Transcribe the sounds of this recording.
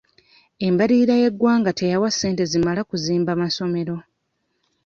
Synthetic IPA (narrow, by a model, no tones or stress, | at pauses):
e̞mbaɾiːɾaje̞ɡːwaːŋɡate̞jawasːe̞ːnte̞zimalakuziːmbamaso̞me̞ɾo̞